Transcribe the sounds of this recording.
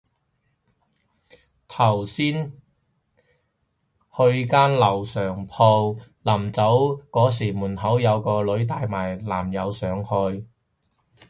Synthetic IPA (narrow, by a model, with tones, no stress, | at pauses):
t̪ʰɐ˨˩wsiː˥n | hɵ˧ɥkaː˥nlɐ˨˩wsœː˨˩ŋpʰo˧w | la˨˩mt͡sɐ˨˥wkɔː˨˥s̬iː˨˩muː˨˩nhɐ˨˥wjɐ˨˧wkɔː˧lɵ˨˥ɥt̪aː˧jmaː˨˩jlaː˨˩mjɐ˨˧wsœː˨˧ŋhɵ˧ɥ